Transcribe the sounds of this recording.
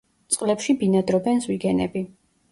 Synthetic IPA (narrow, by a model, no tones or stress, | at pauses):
t̪sʼqʼlɛpʃibinad̪ɾɔbɛnzwiɡɛnɛ̰bi